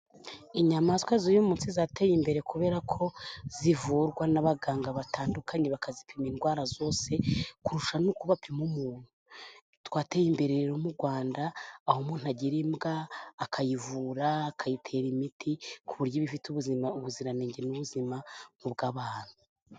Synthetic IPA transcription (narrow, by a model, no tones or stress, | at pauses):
iɲamaskwazojomuːnsizatejimbe̞ɾe̞kuβe̞ːɾakʰo̞z̥ivuːɾɡwanaβaɡaːŋɡaβataːndukʰaniβakʰazipʰiminɡwaːɾazo̞ːse̞kuɾuʃanukuβapʰimumuːn̥huu | twaːtejimbe̞ɾeɾɾomuɾɡwaːndaːhomuːn̥uaɟiɾimɡaːkʰajivuːɾaːkʰajitʰe̞ːɾimitʰikʰuβuɾɟoβifituβuziauβuziɾaneːɲɟenuβuzimaŋ̥ubɡaːβaːn̥hu